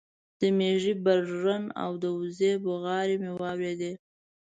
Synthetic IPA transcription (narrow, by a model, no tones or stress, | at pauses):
d̪̥əmeʐibaɾɾana̰wd̪əʊzebʊɣɑɾimewɑwɾed̪e